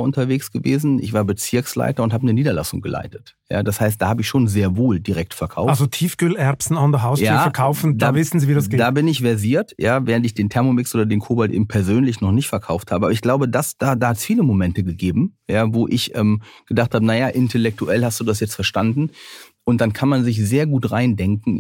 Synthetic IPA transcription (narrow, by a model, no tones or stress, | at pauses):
ʔʊntɐveːksɡ̥əvḛːzn̩ɪ̰çv̥aːɐbət͡sɪɐksla̰ɪtɐʊnthaːbənəniːdɐla̰sʊŋɡəlʔa̰ɪtə̥t | ja̰ːd̥ashaɪst̚d̥aːhaːbəɪçʃoːnzeːɐvoːldiʁɛk̚tfɛɐkʰaʊfazotʰiːfɡ̥ølɛɐpsn̩ɔndəɦaʊsjaːfɛɐkʰaʊfn̩daːvɪsn̩ziːviːdasɡ̥eːdaːbɪnɪçv̥ɛɐziːɐtjaːveːʁ̞əntɪçd̥eːntʰɛɐmomɪksʔoːdɐdeːnkʰoːbaltʔḛːbm̩pʰɛɐzøːnlɪçnɔχnɪçtfɛɐkʰaʊfthaːbəʔabɐɪçɡ̥laʊbədasd̥aːdaːhatsfiːləmomɛntəɡəɡeːbm̩jaːvoːʔɪçʔɛːmɡ̥ədaχthaːbənajaʔɪntʰɛlɛk̚tuʔɛlhastd̥uːdasjɛt͡stfɛɐʃtandn̩ | ʔʊnt̚d̥ankʰanmanzɪç̬z̥eːɐɡuːtʁaɪndɛŋkŋ̩